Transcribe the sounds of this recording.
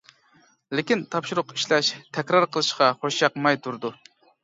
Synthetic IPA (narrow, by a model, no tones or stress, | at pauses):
lɪkʲint̪ʰɑpʃuɾʊqiʃlɛʃt̪ʰɛkʲɾɑɾqʰəlˠɨʃqɑχoʃjɑqmɑjt̪ʰuɾd̪u